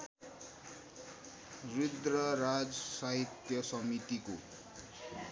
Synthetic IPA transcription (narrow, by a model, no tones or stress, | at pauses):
rid̪rʌɾad͡zʌsaɦit̪jʌsʌmit̪iko